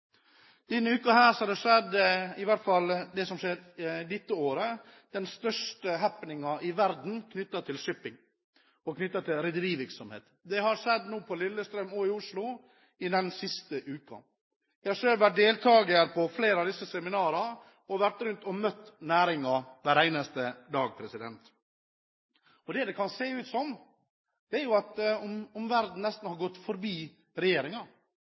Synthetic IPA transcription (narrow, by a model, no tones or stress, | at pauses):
d̪̥ɛnːəʉːkɑɦæːɾsɔhɑɾd̪ɛʂɛd̪ːɪʋæʈt̪fɑld̪ɛsɔmʂeːɾd̪ɪt̪ːəoːɾə | d̪̥ɛnst̪œʂʈəɦæpːnɪŋɑʔɪʋæɾd̪n̩kʰnʏt̪ːɑt̪ʰɪlʂʏpɪŋ | ɔkʰnʏt̪ːɑt̪ʰɪlɾɪd̪əɾiːʋɪɾksɔmhḛːt̪d̪ɛhɑɾʂɛd̪nuːpʰɔlɪlːəst̪ɾœmoɪʊʂlʊ | ɪd̪ɛnsɪst̪əʔʉːkɑ̰ | jæɪhɑʂøːlʋæʈ̚d̪eːlt̪ʰɑːɡəəɾpʰɔfleːɾɑʋd̪ɪsəsɛmɪnɑːɾɑ | ɔʋæʈɾʉnt̪ɔmœt̪ːnæːɾɪŋɑʋæːɾæɪnɑst̪əd̪ɑːɡ̚pʰɾɛsɪd̪ɛ̰nt̪ | ɔd̪ɛd̪ɛkʰɑnseːʉːt̪sɔm | d̪̥ɛæɾjʊɑt̪ɔmɔmʋæɾd̪n̩nɛst̪n̩hɑɾɡɔt̪ːfɔɾbiː | ɾɛjeːɾɪŋɑ